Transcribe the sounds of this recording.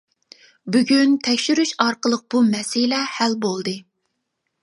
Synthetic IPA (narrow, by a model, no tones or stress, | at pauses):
byɡʲynt̪ʰɛkʲʃyɾyʃɑɾqəlˠəq̚b̥umɛsɪlɛhælbolˠd̪ɨ